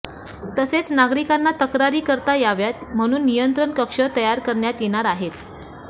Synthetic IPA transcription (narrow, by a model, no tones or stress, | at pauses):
t̪əset͡snaɡɾikanːat̪əkɾaɾiːkəɾt̪ajaʋjat̪̚m̤əɽ̃uːnːijənt̪ɾəɳkəkʂət̪əjaɾkəɾɳjat̪jeɽ̃aɾaɦet̪